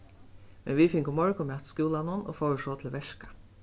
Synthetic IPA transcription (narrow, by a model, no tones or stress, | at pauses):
mɛnʋifɪŋkʊmɔɹkʊmat̪skuːlanʊnɔ̰fɔwʂɔt̪ʰɪlʋɛʂkḁ